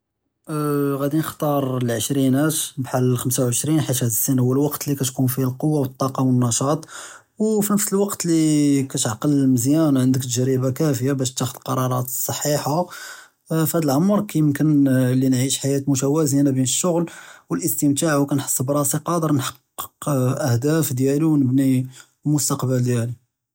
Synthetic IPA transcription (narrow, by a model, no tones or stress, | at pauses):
ɣæd̪inəxt̪ˤɑɾˤlʕəʃɾinhæt̪bħaləlxəmsawʕəʃɾinħit̪hæd̪əsːənhʊwːəlwɑqt̪likæt̪kunfiælqowːawət̪ˤːɑqɑwənːɑʃɑt̪ˤ | wfinəfsəlwɑqt̪likæt̪ʕqəllməzjænʕənd̪əkt̪ʒæɾibakæfəjabæʃt̪ːæxəd̪lqɑɾˤɑɾˤɑt̪əsˤːɑħːiħa | fhæd̪əlʕʊmːɑɾˤkæjəmkənlinʕiʃħajæt̪mʊʃæwæzinabinəʃːʊɣlwəlʔəst̪əmt̪aʕwkænħə̥sˤːbɾˤɑsiqɑd̪əɾˤnħɑ̥qː | ə̥qʔəhd̪æfd̪jæliwnəbni | mʊst̪ɑqbəld̪jæli